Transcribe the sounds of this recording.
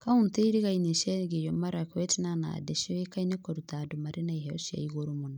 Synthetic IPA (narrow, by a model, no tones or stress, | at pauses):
kaunteiɾiɣaineʃɛɡejomaɾakɔetinana̰deʃeekainekoɾutadumaɾenaiɦɛsa̰iɡoɾumuna